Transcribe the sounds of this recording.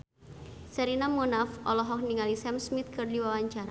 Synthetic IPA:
səɾinamunafɔlɔɦɔk̚niŋalisɛmsmit̪̚kɨrdiwawaɲt͡ʃaɾa

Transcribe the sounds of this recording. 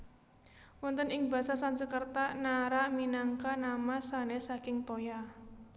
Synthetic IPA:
wɔnt̪ənɪŋba̤sasansəkərt̪anaɾaminaŋkanamasanesakɪŋt̪oja

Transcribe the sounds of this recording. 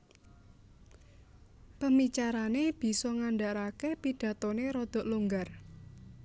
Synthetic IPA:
pəmit͡ʃaɾaneb̥i̤sɔŋanɖaʔɾakepid̥ä̤t̪oneɾɔd̪̥ɔ̤ʔluŋɡar

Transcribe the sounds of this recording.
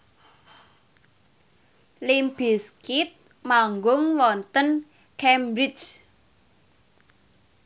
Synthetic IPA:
limb̥iskɪt̪̚ | maŋɡʊŋwɔnt̪ən | kɛmbɾit͡ʃ

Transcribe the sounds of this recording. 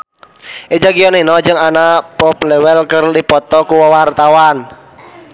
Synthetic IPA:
ʔed͡ʒaɡijɔninɔd͡ʒɨŋanapɔplɛwɛlkərdipɔt̪ɔkuwawart̪awan

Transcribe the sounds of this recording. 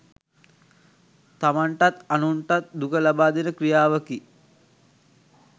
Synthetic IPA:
t̪amaɳʈat̪anuɳʈat̪̚d̪ukəlabaːd̪inəkɾijaːʋəki

